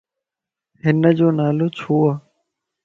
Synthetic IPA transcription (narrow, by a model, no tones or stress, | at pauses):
ɦɪnəd͡ʒoːnaːloːt͡ʃʰoːaː